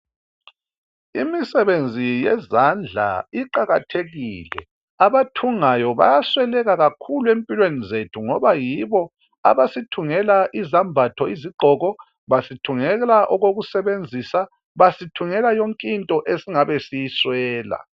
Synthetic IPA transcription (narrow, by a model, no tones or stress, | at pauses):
imisɛβend͡zʱijɛzand͡ɮʱa̰iǃaɣatʰeɣilɛ̰ | aβatʰuŋajɔβa̰jaswɛlɛɣaɣakʰuluempʼilwenizetʰuŋɔβajiβɔ | a̰βasitʰuŋɛlaʔizambʱatʰɔiziɡ͡ǃʱɔɣɔ | βasitʰuŋɛɣɛlaʔɔɣoɣusɛβend͡zʱisa | βasitʰuŋɛlajoŋkʼintʼɔʔesiŋaβesijiswɛːla̰